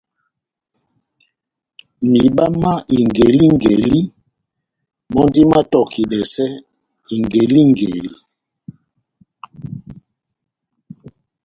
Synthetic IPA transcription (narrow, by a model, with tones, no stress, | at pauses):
mi˨ɓa˦ma˦ʔi˨ŋɡe˨li˦ŋɡḛ˨li˦ | mɔ˦ndi˦ma˦tɔ˨ki˨ɗɛ˨sɛ˦ | i˨ŋɡe˨li˦ŋɡe˨li˦